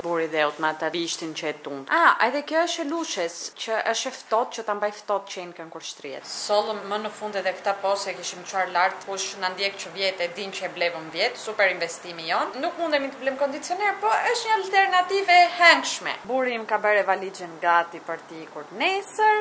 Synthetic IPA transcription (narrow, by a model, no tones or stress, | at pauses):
buɾiðɛɔt̪mat̪aviʃt̪int͡ʃəɛt̪und̪aɛðɛkjɔəʃɛluʃɛst͡ʃəʔəʃɛft̪ɔt̪̚t͡ʃət̪ambajft̪ɔt̪t͡ʃəɛnkəŋkuɾʃt̪ɾiɛ̰t̪sɔlˠmːənəfund̪ɛðɛkt̪apɔsɛkiʃimt͡ʃuaɾlaɾt̪kuʃnand̪jɛkt͡ʃəvjɛt̪ɛd̪int͡ʃəɛblɛvəmvjɛt̪supɛɾinvɛst̪imiɔnnukmund̪ɛmit̪əblɛmkɔnd̪it͡siɔnɛɾpɔəʃtɲəalt̪ɛɾnat̪ivɛhɛŋkʃmɛ̰buɾimkabɛɾɛvalid͡ʒɛnɡat̪ipəɾt̪ikuɾnɛsəɾ